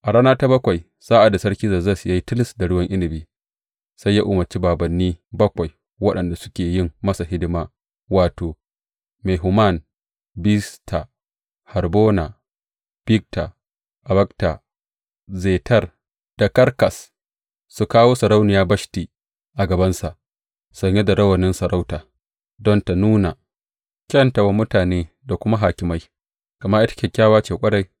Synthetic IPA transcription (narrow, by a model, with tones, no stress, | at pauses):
ʔa˨ɽaː˦naː˦ta˦bɐ˦kʷa˨j | saː˦ʔa˨da˨sɐ˦ɽkʲi˦zaː˨za˦˨sja˦ji˦tɪ˦lɪ˨sda˨ɽʊ˦wɐ˦ŋʔɪ˦nɪ˨biː˦ | sa˦jːaː˦ʔʊ˨mɐ˨rt͡ʃi˦baː˨bɐ˨nːiː˦bɐ˦kʷa˨j | wɐ˦ɗɐ˨nda˨sʊ̥˦kʲeː˨jɪ˦˨mːɐ˦sa˨hɪ˦dɪ˦maː˦ | waː˨toː˨ | me˨ɦʊ˨ma˦˨n | bi˦stʰa˨ | hɐ˨rboː˦na˨ | b̥ɪ˦k̚tʰa̰˨ | ʔa˨bɐ˦k̚ta˨ | zeː˨tɐ˦˨r | d̥a˨kɐ˦ɾkɐ˨s | su˨kaː˦woː˦sɐ˨ɾa˦wnɪ˨jaː˦bɐ˦ʃti˨ | ʔa˨ɡɐ˨bɐ˦nsa˨ʔ | sɐ˨ɲje˦da˨ɽɐ˦wɐ˨nɪ˦nsɐ˨ɾa˦wtaː˨ | dɔ˦nta˨nuː˦na˨ | kʲɐ˦nta˨wa˦mʊ˦taː˨neː˦ | da˨kʷʊ˦ma˦ɦaː˨kʲɪ˨ma˦j | kɐ˨ma˦ʔɪ˦tɐ̥˦kʲɛ˨kʲːaː˦waː˦t͡ʃeː˨kʷʼɐ˦ɽa˨j